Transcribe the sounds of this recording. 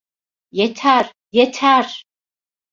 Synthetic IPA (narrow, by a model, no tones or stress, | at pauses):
jɛtʰaːr | jɛtʰar